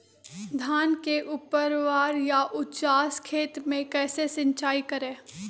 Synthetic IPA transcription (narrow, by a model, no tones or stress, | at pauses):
d̪ʱaːnkeʔʊpəɾʋaːɾjaʔʊtt͡ʃaːskʰeːt̪mẽkɛːsesɪ̃ɲt͡ʃaːikɐɾẽː